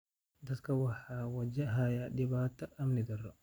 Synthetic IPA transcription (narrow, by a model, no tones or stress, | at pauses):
daskawahawad͡ʒaɦajadibatːaːmnidɛrːɔ